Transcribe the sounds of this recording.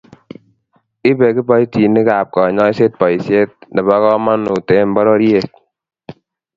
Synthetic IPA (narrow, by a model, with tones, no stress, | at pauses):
ɪ˦be˨ki˦bɔ˦i˦ti˨nɪ˦ka˨p̚kɔ˨ɲɔ˦i˦se˦t̚pɔ˨i˨sje˦t̚nɛ˨ba˦kɔ˦ma˦nu˨te˨˦m˦bɔ˦ɾɔ˦ɾje˨t̚